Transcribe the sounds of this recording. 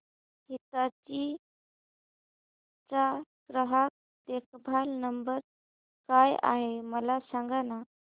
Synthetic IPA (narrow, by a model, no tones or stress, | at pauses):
ɦit̪at͡ɕi | t͡saɡ̥ɾəɦak̚ | t̪ekbʱalnəmbəɾ | kaja̰ɦeməlasaŋɡana